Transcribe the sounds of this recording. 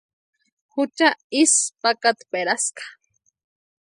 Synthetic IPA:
hʊt͡ʃaispakat̪peɾaskḁ

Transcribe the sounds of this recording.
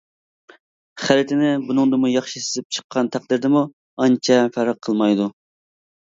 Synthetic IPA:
χæɾɪt̪ʰɪnɪbunɨŋd̪ɨmujɑχʃisɪzɪp̚t͡ʃʰə̥qʰːɑnt̪ʰæq̚d̪ɪɾd̪ɪmu | ɑnt͡ʃʰɛfæɾqʰːəlˠmɑjd̪u

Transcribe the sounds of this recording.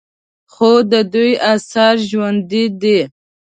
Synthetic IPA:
xod̪əd̪ujasaɾʒwand̪id̪i

